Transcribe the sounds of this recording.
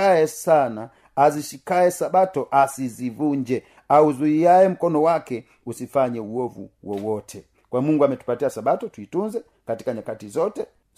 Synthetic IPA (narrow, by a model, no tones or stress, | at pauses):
aɛsana | aziʃikaɛsabatɔʔasizivuɲd͡ʒɛ | auzuiaɛm̩kɔnɔwakɛ | usifaɲɛuɔvṵwɔwɔtʰɛ | kwamuŋɡamɛtu̥patiasabatɔtuitunzɛ | kati̥kaɲakatizɔtɛ